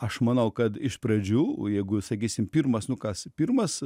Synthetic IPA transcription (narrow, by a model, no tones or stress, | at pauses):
ɐʃmɐnɐʊkɐt̪ɪʃpɾɐd͡ʒʲuːjɛɪɡʊsɐkʲiːsʲɪmpʲiːrmɐsnʊkɐspʲirmɐs